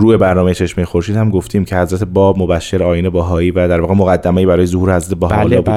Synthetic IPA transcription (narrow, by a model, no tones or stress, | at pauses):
ɾuːe̞bæɾnɒːmeet͡ʃʰe̞ʃmejexo̞ɾʃiːd̪hæmɡo̞ft̪ʰiːmcʰe̞hæzɾæt̪ʰebɒːbmo̞bæʃːeɾɒːjinebæɦɒːiːvæd̪æɾvɒːɣemoɣæd̪ːæmæiːbæɾɒːjezohuːɾehæzɾæt̪ʰebæɦɒlɒːbu